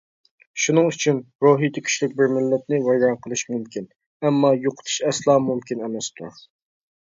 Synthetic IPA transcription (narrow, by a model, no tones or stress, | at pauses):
ʃunɨŋyt͡ʃʰynɾoːɦijt̪ʰɪkʲʰy̥ʃlɪk̚ʲbɪɾmɪlːɛt̪̚nɪwɛjɾɛnqʰəlˠɨʃmumkʲʰin | ɛmːɑjoqʰʊ̥t̪ʰu̥ʃɛslˠɑːmumkʲinɛmɛst̪ʰṵɾ